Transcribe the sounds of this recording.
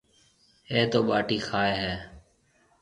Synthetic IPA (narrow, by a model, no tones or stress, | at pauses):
eːt̪oːɓaːʈiːxʰaːeːɦɛː